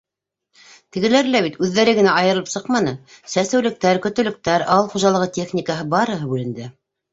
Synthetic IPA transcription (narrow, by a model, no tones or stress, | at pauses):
t̪ɘ̆ɡɘ̆læɾlæβit̪ʉðːæɾɘɡɘ̆næʔɑjɤ̆ɾɤ̆lˠɤpsɤqmɑnɤsæst̪æwlɘ̆k̚t̪æɾkɵ̆t̪ɵ̆lɘ̆k̚t̪æɾɑlˠχuʒɑlˠɤ̆ʁɤtʲeχnʲikəɦɤbɑɾɤ̆ɦɤbʉlɘ̆nd̪ɘ